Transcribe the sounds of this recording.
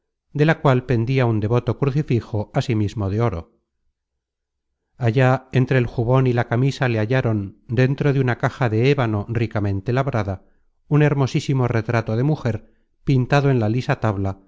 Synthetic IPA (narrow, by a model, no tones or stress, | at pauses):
d̪e̞lakwalpe̞nd̪iaund̪e̞βo̞t̪o̞kɾuθifixo̞asimizmo̞ðeo̞ɾo̞̰ | aʝaent̪ɾe̞ːlxuβo̞nilakamisale̞aʎaɾo̞nd̪e̞nt̪ɾo̞ðeunakaxaðe̞eβano̞rikamẽ̞nt̪e̞laβɾaða | une̞ɾmo̞sisimo̞re̞t̪ɾat̪o̞ðe̞muxe̞ɾ | pint̪aðoe̞nlalisat̪aβla